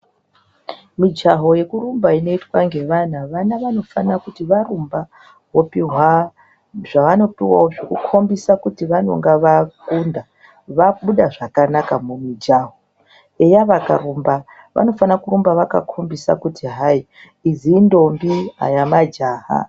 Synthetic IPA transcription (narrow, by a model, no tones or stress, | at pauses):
mid͡ʒaɦo̞je̞kurumbaino̞itwaŋɡe̞ʋanaʋanaʋano̞fanakutiʋarumba | ɦopiɦwa | ʐaʋano̞piwa̰woʐekukʰo̞mbisakutiʋano̞̰ŋɡaʋakunda | ʋaɓuɗaʐakanakamumid͡ʒaɦo | ejaʋaka̰ɾumba | ʋʔa̰no̞fanakuɾumbaʋaka̰kʰo̞mbisa̰kutiɦai | iziːndo̞mbiɦa̰jamad͡ʒaːɦa̰